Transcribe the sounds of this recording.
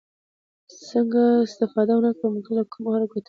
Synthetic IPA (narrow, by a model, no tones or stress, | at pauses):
səŋɡaɪst̪ɪfɑd̪awnakɽəməkalakʰumaɾɡot̪